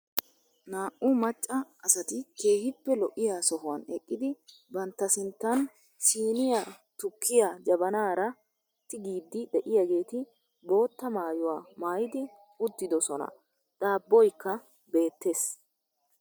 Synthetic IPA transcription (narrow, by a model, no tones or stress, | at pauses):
naːʔʊmɐt͡ʃʼːɐɐsɐt̪ɪke̞ːhɪpːɛlɔʔɪjaːsɔɦʊwɐnɛkʼːɪd̪ɪ | bɐnt̪ːɐsɪnt̪ːɐn | siːnɪjat̪ʊkːɪjaːd͡ʒɐbɐnaːɾɐ | t̪ːɪɡiːd̪ːɪd̪ɛʔɪjaɡe̞ːt̪ɪ | bo̞ːt̪ːɐmaːjʊwaːmaːjɪd̪ɪ | ʊt̪ːɪd̪ɔsɔnɐ̰ | d̪̥aːbːɔjkːɐ | be̞ːt̪ːe̞ːs